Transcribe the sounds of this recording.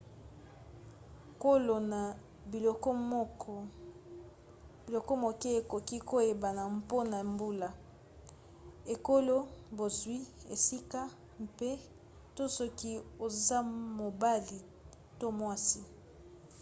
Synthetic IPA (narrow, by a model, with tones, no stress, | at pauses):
ko˦lo˨na˨ | i˨lo˨k | bi˨lo˨ko˦mo˨ke˦e˨ko˨ki˦ko˦e˨ba˨na˨m˦po˦na˨e˨mbu˦la˨ | e˨ko˦lo˦bo˨zwi˦ḛ˨si˦ka˦ | mpe˦ | to˦so˦ki˦o˨za˦mo˨ba˦li˨ | to˦mwa˦si˦